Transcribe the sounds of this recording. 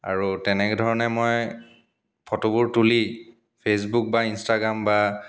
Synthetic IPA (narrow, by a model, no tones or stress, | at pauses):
a̰ɹutɛnɛkɛdʱɔɹɔnɛmoj | pʰɔtobuɹtuli | pʰes̬buk̚bainstaɡɹamba